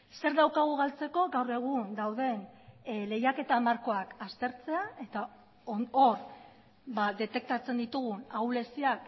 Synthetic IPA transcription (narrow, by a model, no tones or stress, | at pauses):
se̞ɾðawkaɣ̞uɣalt͡se̞ko̞ɣawre̞ɣ̞und̪awðe̞nle̞jake̞t̪amaɾko̞akast̪e̞ɾt͡se̞ae̞t̪a | or | bad̪e̞t̪e̞k̚t̪at͡se̞nd̪it̪uɣ̞unawle̞siak